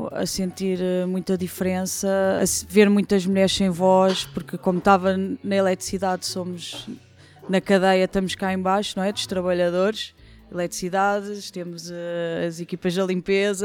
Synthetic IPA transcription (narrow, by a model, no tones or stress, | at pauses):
ɐ̰sẽnt̪iɾɛmũj̃t̪ɐðifɾẽsɐɐ̰sveɾmũj̃t̪ɐʒmuʎɛɾsẽj̃vɔʃpuɾkɨkomut̪avɐnɐilˠɛt̪ɾi̥siðaðsomuʒ | nɐkɐðɐjɐt̪ɐmuʃkaẽbajʃunɐ̃w̃ɛd̪uʃt̪ɾɐβɐʎɐðoɾʃ | ilˠɛt̪ɾisiðaðɨʃt̪emuzɛɐzikipɐʒðɐlˠĩmpezɐ